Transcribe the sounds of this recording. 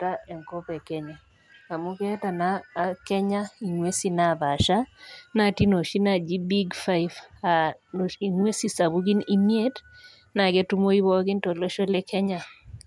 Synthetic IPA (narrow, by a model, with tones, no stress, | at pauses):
ta˦ɛ˨ŋko˦pɛ˨kɛ˦ɲa˨ | a˨mu˦ke˦ta˨naː˦kɛ˦ɲa˦i˨ŋwe˦si˦na˦˨ba˨ʃa˦na˦˨ti˦no˨ʃi˦na˦˨d͡ʒi˦bi˦ɡfa˦ifa˨i˨ŋwe˦si˦sa˨bu˦ɡɪ˦ni˦mje˦t | na˨ɡe˦tu˦mo˦i˦wɔ˦ɡɪ˦nto˨lo˦ʃɔ˦le˦kɛ˦ɲa˦